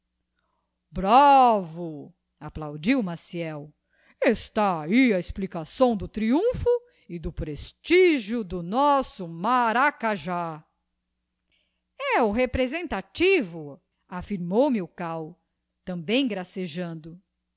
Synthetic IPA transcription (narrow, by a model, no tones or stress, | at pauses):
bɾavʊ | aplawd͡ʒiwmasiɛw | est̪aaiaesplikasɐ̃w̃d̪ʊt̪ɾiũfʊ | ɪd̪ʊpɾest͡ʃiʒjʊd̪ʊnɔsʊmaɾakaʒa | ɛʊɦepɾezẽnt̪at͡ʃivʊ | afiɾmowmiʊkaw | t̪ɐ̃bẽj̃ɡɾaseʒɐ̃nd̪ʊ